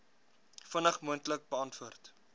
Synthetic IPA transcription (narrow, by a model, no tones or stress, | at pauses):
fənəχmuəntlək̚bəɑntvuərt